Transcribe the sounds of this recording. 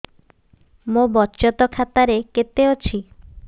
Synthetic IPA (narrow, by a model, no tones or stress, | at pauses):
mobɔtːt͡ʃɔt̪ɔkʰat̪aɾeket̪eot͡ɕʰi